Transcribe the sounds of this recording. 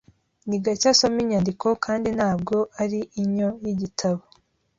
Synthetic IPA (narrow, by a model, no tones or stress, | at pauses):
niɡacasomiɲandikʰo̞kaːndinaːb̚ɡo̞ʔaɾiʔːɲo̞jiɟitʰaβo